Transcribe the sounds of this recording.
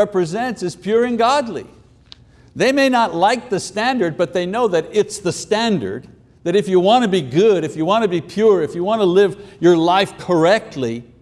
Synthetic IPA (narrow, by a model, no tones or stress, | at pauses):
ɛpɹɨzɛ̃ntsɨz̥pʰj̥ʊɹɨ̃nɡɑdˡlḭ | ðeɪmeɪnətˡlaɪk̚ðɨstæ̃ndə˞d̚bʌt̪̚ðeɪnoʊðɨɾɪtsðɨstæ̃ndə̰˞d̪̚ | ðɨɾɨfjɨwɑ̃nɨbiɡʊɾɨfjɨwɑ̃nɨbipʰj̥ʊɹɨfjɨwɑ̃nəlɪvjə˞laɪfkʰə˞ɛk̚tʰˡli